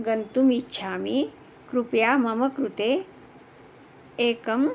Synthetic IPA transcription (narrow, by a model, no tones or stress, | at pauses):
ɡɐnt̪umitːʃʰaːmi | kɾupjaːmɐmɐkɾut̪eː | eːkɐm